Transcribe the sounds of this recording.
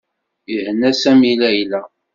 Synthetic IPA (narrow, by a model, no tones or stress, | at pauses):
ihənːæsæmilæjlæ